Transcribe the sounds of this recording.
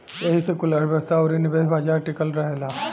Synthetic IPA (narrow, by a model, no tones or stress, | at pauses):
jeɦisekulaɽbʱəɾsaoɾinibebʱaːd͡ʒaɾʈikəlɾɐɦela